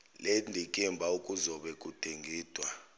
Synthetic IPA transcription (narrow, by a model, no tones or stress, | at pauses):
lɛndʱikʼimbʱaukʼuzɔɓɛkʼutʰeŋɡʱiːd̥ʱwa